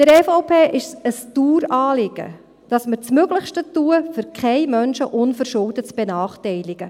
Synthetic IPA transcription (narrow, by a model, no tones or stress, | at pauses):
d̥əɾɛfaʊpʰeːʔɪʃəstuːɾɑːlɪɡ̥ə̰ | d̥ɑsməɾt͡smøɡləχʃtətuəfʏɾkʰχɛɪmœnʃəʔʊnfəɾʃʊldət͡sb̥ɛnɑːχtɛɪlɪɡ̥ə